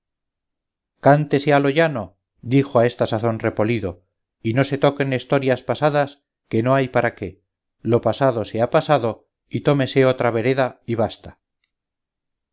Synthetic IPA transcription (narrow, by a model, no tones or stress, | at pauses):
kant̪e̞sealo̞ʝano̞ | d̪ixoae̞st̪asaθo̞nre̞po̞liðo̞ | ino̞se̞t̪o̞kenest̪o̞ɾjaspasaðas | ke̞no̞ajpaɾake̞ | lo̞pasaðo̞se̞apasaðo̞ | it̪o̞me̞se̞o̞t̪ɾaβ̞e̞ɾe̞ðaiβast̪ḁ